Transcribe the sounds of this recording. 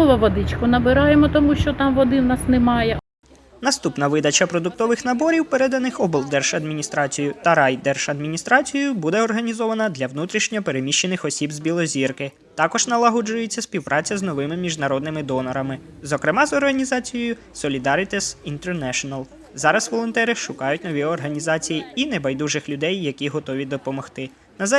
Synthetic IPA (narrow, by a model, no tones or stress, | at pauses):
ɔʋɐʋɔd̪ɪt͡ʃkʊnɐbɪɾɑjemɔt̪ɔmuʃt͡ʃɔt̪ɑmʋɔd̪ɪwnɑsnɛmɑjɛ | nɐst̪upnɐʋɪd̪ɐt͡ʃɐpɾɔd̪ʊk̚t̪ɔʋɪxnɐbɔɾʲiwpeɾɛd̪ɐnɪxɔbɔlˠd̪ɛrʃɐd̪mʲinʲist̪ɾɑt͡sʲijʊt̪ɐɾɑjd̪ɛrʃɐd̪mʲinʲist̪ɾɑt͡sʲijʊbud̪ɛɔrɦɐnʲizɔʋɐnɐd̪lʲɐwnut̪ɾʲiʃnʲɔɔpeɾemʲiʃt͡ʃːenɪxɔsʲibzʲbʲilˠɔzʲirkɪ | t̪ɑkɔʒnɐlˠɐɦɔd͡ʒʊjet͡sʲːɐsʲpʲiwpɾɑt͡sʲɐznɔʋɪmɪmʲiʒnɐɾɔd̪nɪmɪd̪ɔnɔɾɐmɪzɔkɾɪmɑzɔrɦɐnʲizɑt͡sʲijɔjʊ | sɔlʲid̪ɑɾɪt̪ɪsint̪ɛrnɛʃɔnɐlˠ | zɑɾɐsʋɔlˠɔnt̪ɛɾɪʃʊkɑjʊtʲnɔʋʲiɔrɦɐnʲizɑt͡sʲijiinebɐjd̪uʒɪxlʲʊd̪ɛjːɐkʲiɦɔt̪ɔʋʲid̪ɔpɔmɔxt̪ɪ | nɐz